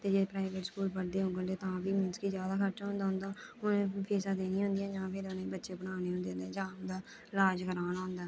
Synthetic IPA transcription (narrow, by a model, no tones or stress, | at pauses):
t̪eːd͡ʒeːpɾaːɪʋeːʈskuːlpəɽd̪eːɦõŋɡənd̪eːt̪ãːbiːmɪnskiːzjaːd̪aːkʰət͡ʃaːɦʊ̃nd̪aːɦʊnd̪aːʊnẽːpʰeːsãːd̪eːnĩːɦʊ̃nd̪ijãːd͡ʒãːpʰɪɾʊnẽːbətːʃeːbənaːneːʊ̃nd̪eːnd̪eːd͡ʒãːd̪aː | laːd͡ʒɡəɾaːnːɦʊ̃nd̪aː